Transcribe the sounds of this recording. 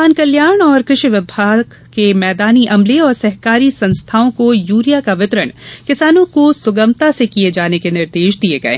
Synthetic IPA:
aːnkɐljaːɾɽ̃ɔːɾkɾɪʃiʋɪbʱaːɡ | kemɛːd̪aːniʔɐmleɔːɾsɐɦkaːɾisɐ̃nst̪ʰaːõkojuːɾijakaʋɪt̪ɾəɽ̃kɪsaːnõkosʊɡəmt̪asekied͡ʒaːnekenɪɾd̪eːʃd̪ieɡɐḛː

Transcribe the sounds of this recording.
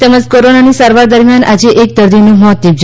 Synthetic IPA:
t̪ɛməd͡ʒkoɾonanisaɾʋaɾd̪əɾmjanʔad͡ʒeʔek̚d̪əɾd̪inũmɔt̪ːib̚d͡ʒ

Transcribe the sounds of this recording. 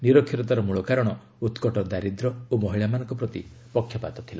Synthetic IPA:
niɾɔkʰːiɾɔt̪aɾɔmuɭɔkaɾɔɽ̃ɔ | ut̪kɔʈɔd̪aɾid̪ɾɔomɔɦiɭamanɔ̃ŋkɔpɾɔt̪i | pɔkʰːjɔpa̰t̪ɔt̪ʰila

